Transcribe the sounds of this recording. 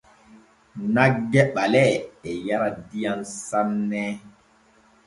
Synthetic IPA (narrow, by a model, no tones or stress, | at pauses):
naɡːɛɓalɛɛjaɾadijansanːɛ